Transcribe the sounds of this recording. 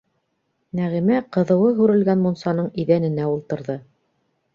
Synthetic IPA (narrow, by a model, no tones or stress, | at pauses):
næʁimæqɤ̆ðɤ̆wɤɦʉɾɘ̆lɡænmunsɑnɤɴiðænɘ̆næulˠt̪ɤ̆ɾðɤ